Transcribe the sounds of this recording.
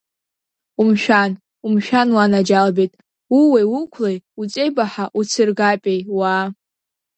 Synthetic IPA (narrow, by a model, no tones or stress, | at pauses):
umʃᶣan | umʃᶣanwanad͡ʒalbejtʼ | uwejwʊkʷʰlejut͡sʼejbaħaʔut͡sʰɨrɡapʲʼejwa